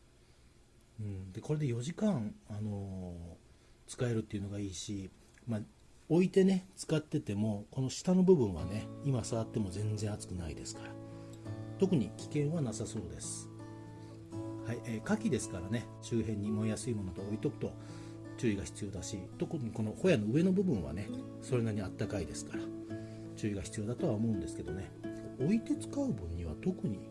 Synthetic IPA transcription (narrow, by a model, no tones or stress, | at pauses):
ɯ̟̃ɴd̪e̞ko̞ɾe̞d̪ejo̞ʑikãŋano̞ | t͡sɨ̥kae̞ɾɯ̟t̪ːeiɯ̟no̞ɡaiːɕi | ma | o̞it̪e̞ne̞t͡sɨ̥kat̪ːe̞t̪e̞mo̞ko̞no̞ɕi̥t̪ano̞bɯ̟bɯ̟̃ɰ̃βa̰ne̞imasaβat̪ːe̞mo̞zẽ̞nzẽ̞at͡sɨ̥kɯ̟naḭd̪e̞sɨ̥kaɾa | t̪o̞kɯ̟ɲ̟ikʲi̥kẽ̞ɰ̃βanasaso̞ːd̪e̞sɨ̥ | haieːkakʲid̪e̞sɨ̥kaɾane̞ | t͡ɕɨːɦẽ̞ɲ̟ːimo̞ijasɨimo̞not̪oːit̪o̞kɯ̟̥t̪o̞βa | t͡ɕɨːiɡaçi̥t͡sɨjo̞ːd̪aɕit̪o̞kɯɲko̞no̞ho̞jano̞ɯ̟e̞no̞bɯ̟bɯ̟̃ɰ̃βa̰ne̞ | so̞ɾe̞naɲ̟iat̪ːakaid̪e̞sɨ̥kaɾa | t͡ɕɨːiɡaçi̥t͡sɨjo̞ːd̪at̪o̞βaomo̞ɯ̃nd̪e̞sɨ̥ke̞d̪o̞ne̞koʔoit̪e̞t͡sɨ̥kaɯ̟bɯ̟̃ɲ̟ːiβ̞at̪o̞kɯ̟ɲ̟i